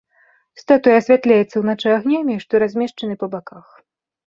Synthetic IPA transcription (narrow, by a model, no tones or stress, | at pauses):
st̪at̪ujasʲvʲat̪lʲajɛt̪sːɐwnat͡ʂɨjaɣnʲamʲiʂt̪ɔɾazʲmʲɛʂt͡ʂɐnɨpɐbakax